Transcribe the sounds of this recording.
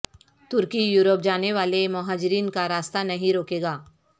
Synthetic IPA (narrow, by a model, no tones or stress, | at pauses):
t̪ʊɾkijuːɾop̚d͡ʒaːneʋaːlemɐɦaːd͡ʒɾiːnkaɾaːst̪anɐɦĩɾoːkeːɡaː